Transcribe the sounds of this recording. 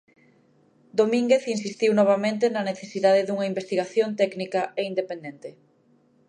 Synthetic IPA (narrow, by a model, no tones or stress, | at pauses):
d̪omĩŋɡeθinsist̪iwnɔβ̞amẽnt̪enɐneθesiðaðeðuŋɐimbest̪iɣaθjont̪ɛknikɐeind̪epend̪ent̪e